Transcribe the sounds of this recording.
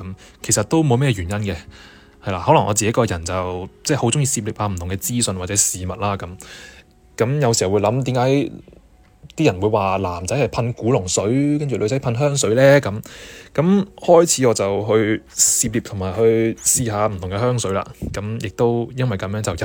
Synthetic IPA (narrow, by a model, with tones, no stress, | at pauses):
ɐ˨˥m | kʰe˨˩jsɐ˨t̚t̪o˥wmo˨˧wmɛ˥jɛ˧ɥyː˨˩jɐ˥nkɛ˧ | hɐ˨jlaː˨˩hɔː˨˥lɐ˨˩ŋʔɔː˨˧t͡siː˨ke˨˥kɔː˧jɐ˨˩nt͡sɐ˨wt͡sɛː˥˩ho˨˥wt͡sʊ˥ŋjiː˧siː˧p̚liː˨˩pʔaː˧m̩˨˩t̪ʊ˨˩ŋkɛː˧t͡siː˥sɵ˧nwaː˨tt͡sɛː˨˥siː˨mɐ˨t̚laː˥kɐ˨˥m | kɐ˨˥mjɐ˨˧wsi˨˩hɐ˩wu˨˧jlɐ˨˥mt̪̬iː˨˥mkaː˨˧˥j | t̪iː˥jɐ˨˩nwuː˨˧jwaː˨laː˨˩mt͡sɐ˨˥jhɐ˨˩jpʰɐ˧nkuː˨˥lʊ˨˩ŋsɵ˨˥ɥkɐ˥nt͡ʃy˨lʔjt͡sɐ˨˥jpʰɐ˧nɦœː˥ŋs̬ɵ˨˥ɥlɛː˥kɐ˨˥mkɐ˨˥mhɔː˥jt͡sʰiː˨˥ɔː˨˧t͡sɐ˨˩wɦɵ˧ɥsiː˧p̚liː˨p̚t̪ʰʊ˨˩ŋmaː˨˩jhɵ˧ɥsiː˧ɦaː˨˧m̩˨˩t̪ʰʊ˨˩ŋɡɛ˧ɦœː˥ŋsɵ˨˥ɥla̰ː˧kɐ˨˥mjɪ˨k̚t̪o˥wjɐ˥nwɐ˨jkɐ˨˥mjœː˧˥ŋt͡sɐ˨wj